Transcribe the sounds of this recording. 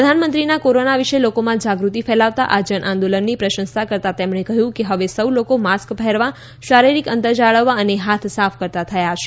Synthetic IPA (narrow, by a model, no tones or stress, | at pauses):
ɾəd̪ʱanmənt̪ɾinakoɾonaʋiʃelokomãd͡ʒaɡɾut̪ifɛlaʋt̪a̰ʔad͡ʒənʔãnd̪olənːipɾəʃə̃nsakəɾt̪at̪emɳekəɦjũkeɦəʋesəwlokomaskbʱəɦɛɾʋã | ʃaɾiɾikənt̪əɾd͡ʒaɭəʋːaəneɦat̪ʰsafʰkəɾt̪at̪ʰəjaʃʰe̥